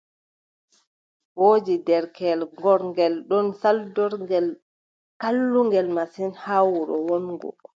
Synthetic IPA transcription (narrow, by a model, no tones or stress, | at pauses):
woːd͡ʒidɛɾkɛlŋɡɔɾŋɡɛlɗɔnsaldɔɾŋɡɛl | kalːuŋɡɛlmasinhawuɾɔ̰wɔnɡɔ̰